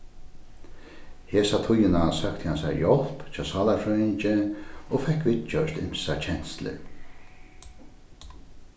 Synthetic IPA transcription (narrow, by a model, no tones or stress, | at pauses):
heːsat̪ʰʊjːɪnasœkt̪ʰəhansa̰ɾjɔl̥pt͡ʃʰɑːsɑːlafɾœɪnt͡ʃɪɔfɛhkʋɪt̪t͡ʃœʃt̪ɪ̰m̥sat͡ʃʰɛn̥st̪lɪ̰